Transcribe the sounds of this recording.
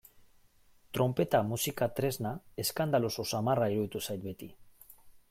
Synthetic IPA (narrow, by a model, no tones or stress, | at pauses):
t̪ɾo̞mpe̞t̪amusikat̪ɾe̞znae̞skand̪aloso̞samaraiɾuðit̪usajt̪̚be̞t̪i